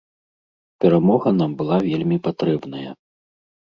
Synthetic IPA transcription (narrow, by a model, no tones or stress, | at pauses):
pʲɛɾamɔɣɐnambɨlˠavʲelʲmʲipat̪ɾɛbnɐjɐ